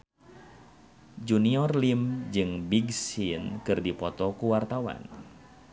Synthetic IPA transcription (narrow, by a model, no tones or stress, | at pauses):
d͡ʒuniɔrlimd͡ʒɨŋbiɡsinkɨrdipɔt̪ɔkuwart̪awa̰n